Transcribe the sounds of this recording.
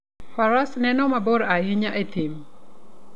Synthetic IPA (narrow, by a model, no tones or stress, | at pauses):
paɾasnɛnɔmabɔɾaɦɪɲaʔetim